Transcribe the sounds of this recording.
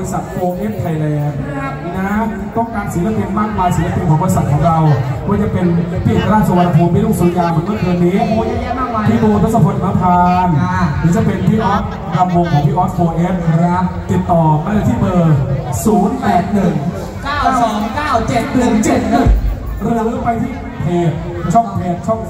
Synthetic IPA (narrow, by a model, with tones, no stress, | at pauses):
ɾi˧sa˨˩t̪̚foː˧ʔe˦˥p̚t̪ʰla˧jlɛː˧n | na˦˥ | t̪ɔ˥˩ŋkaː˧nsi˨˦la˥pʰi˧nmaː˥˩k̚maː˧jsiː˨˩˦la˦˥˩pʰi˧nkʰɔː˨˩˦ŋbɔː˧ɾi˧sa˨˩t̪̚ʰɔ˩˦ŋɾa˧wkʰɔ˥˩˦t͡ɕa˨˩pe˧npʰiː˦˥˩ɾaː˥˩sa˧wa˧nːa˧pʰuː˧nmpʰiː˥˩luː˥˩ŋsuː˨˩˦njaː˧mɯ˨˩˦nmɯ˥˩əkɯ˧niː˦˥˩ | pʰiː˥˩boː˧t̪ʰo˦˥t̚sa˧pʰo˧nʰ˧a˦˥pʰaː˧nmʰɯː˩˦˥t͡ɕa˨˩pe˧npʰiː˥˩ʔɔ˦˥p̚ | da˧mwo˧ŋkʰɔː˨˩˦ŋpʰiː˥˩ʔɔ˦˥t̚foː˧ʔeː˦˥p̚ɾa˦˥t̪i˨˩t̪ːɔː˨˩ma˧˩la˧˩t̪ʰiː˥˩bɤː˧suː˩˦npɛː˨˩t̪̚nɯ˨˩ŋ | aː˥˩a˧˩˥sɔː˨˩˦ŋkaː˥˩wt͡ɕe˨˩t̪̚nɯ˨˩ŋt͡ɕe˨˩t̪̚nɯ˨˩ɾɯ˧ə˧ɾɯː˦˥pa˧jt̪ʰiː˥˩ | pʰeː˨˩t̪̚ | t͡ɕʰɔ˥˩ŋpʰeː˨˩t̪̚t͡ɕʰɔ˥˩ŋ